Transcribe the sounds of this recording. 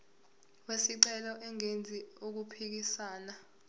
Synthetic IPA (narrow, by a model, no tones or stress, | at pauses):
wesiǃɛlɔʔɛŋend͡zʱiok̬upʰik̬isaːna